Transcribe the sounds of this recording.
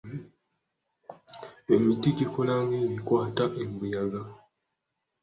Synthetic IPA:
emitiɟikʰolaŋɡejikwaːtaʔembujaɡa

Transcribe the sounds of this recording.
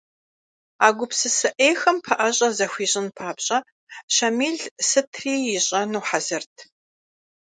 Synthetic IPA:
aːɡʷʊpsɨsɨʔeːxɐmpʰɐʔɐɕʼɐzɐxʷiːɕʼɪnpʰaːpɕʼɐ | ɕɐmiːɮsɨtʰriːjɪɕʼɐnuːħazɨrtʰ

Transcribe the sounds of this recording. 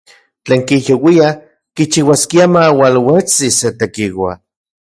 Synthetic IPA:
t͡ɬeːŋkijowia | kit͡ʃiwaskiamawalwet͡siset̪ekiwa̰

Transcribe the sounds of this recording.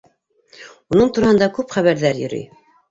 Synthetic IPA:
unɤɴt̪uɾɑhɤ̆nd̪ɑkʉpχæβæɾðæɾjɵ̰̆ɾy̰j

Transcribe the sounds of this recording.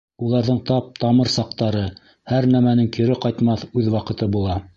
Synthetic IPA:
ulˠɑɾðɤɴt̪ɑp̚t̪ɑmɤɾsɑq̚t̪ɑɾɤ | hæɾnæmænɘŋkiɾɘqɑjt̪mɑθʉðwɑqɤ̆t̪ɤbulˠɑ

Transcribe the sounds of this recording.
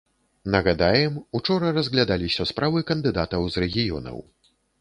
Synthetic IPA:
nɐɣad̪ajɛmut͡ʂɔɾɐrɐzʲɣlʲad̪alʲisʲɐspɾavɨkɐnd̪ɨd̪at̪ɐwzrɛɣʲijɔ̰nɐ̰w

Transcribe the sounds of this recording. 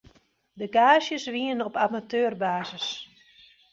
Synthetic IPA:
dəɡaːsjəsʋiənɔpamatøːrbaːzəs

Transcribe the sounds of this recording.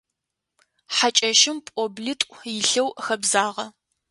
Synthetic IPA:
ħat͡ʃʼɐʃɪmpʼobɮɨtʼʷjɪɬɐwxɐbzaːʁɐ

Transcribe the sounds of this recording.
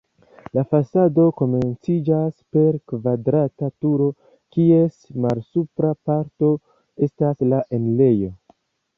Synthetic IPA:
lafasado̞ko̞me̞nt͡sid͡ʒaspe̞ɾkvadɾatatuɾo̞ | kie̞smalsupɾapaɾto̞ | e̞staslaʔe̞nle̞jo̞

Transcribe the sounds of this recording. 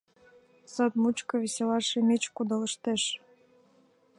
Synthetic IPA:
sɤt̪mut͡ɕkəβʲisʲelɑʃemʲet͡ɕkud̪ɤ̆lə̆ʃt̪eʃ

